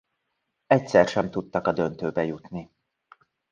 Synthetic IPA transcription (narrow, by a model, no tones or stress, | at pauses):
ɛcsɛrʃɛmt̪ut̪ːɒkɒd̪ø̞nt̪øːbɛjut̪ni